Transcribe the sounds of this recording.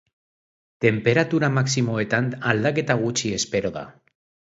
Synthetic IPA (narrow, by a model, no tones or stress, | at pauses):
t̪e̞mpe̞ɾat̪uɾamaksimo̞e̞t̪anald̪ake̞t̪aɣ̞ut͡ʃie̞spe̞ɾo̞ða̰